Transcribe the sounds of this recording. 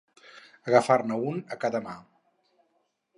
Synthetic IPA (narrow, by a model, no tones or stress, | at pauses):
əɣəfarnəunəkaðəma